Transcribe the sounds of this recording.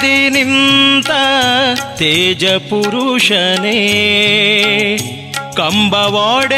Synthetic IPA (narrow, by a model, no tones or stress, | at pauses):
inint̪ɐ | t̪eːd͡ʒɐpuɾuʂɐne | kɐmbɐʋaːɽe